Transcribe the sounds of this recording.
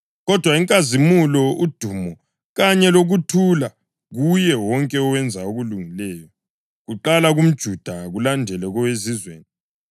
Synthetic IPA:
ɣɔd̥ʱwaiŋkʼazimulɔud̥ʱuːmɔ | ɣaɲɛloɣutʰula | ɣujɛwɔŋkʼɛɔwɛnd͡zʱaoɣuluŋilɛːjɔ | ɣuǃalaɣum̩d̥ʒ̥ʱud̥ʱaɣulandʱɛlɛɣɔwezizwḛːni

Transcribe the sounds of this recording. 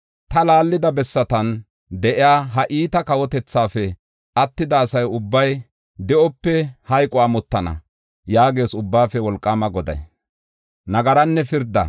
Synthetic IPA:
t̪ɐlaːlːɪd̪ɐbɛsːɐt̪ɐn | d̪ɛʔɪjaːɦɐʔiːt̪ɐkɐwɔt̪ɛt͡sːaːfɛ | ʔɐt̪ːɪd̪ɐːsɐjʊbːɐj | d̪ɛʔɔpːɛhɐjkʼɔamɔt̪ːɐnɐ̰ | jaːɡe̞ːsʊbːaːfɛwɔlkʼːaːmɐɡɔd̪ɐ̰j | nɐɡɐɾɐnːɛfɪɾd̪ɐ̰

